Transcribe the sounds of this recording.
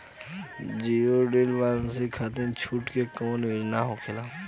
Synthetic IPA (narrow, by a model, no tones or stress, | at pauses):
d͡ʒioɖeːlʋaːlnsikʰat̪ẽnt͡ʃʰuːʈkekɔːnʋed͡ʒnaɦokʰɪlaː